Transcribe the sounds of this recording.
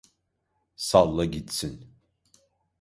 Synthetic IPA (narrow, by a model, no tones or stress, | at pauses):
salˠːaɟit̪sin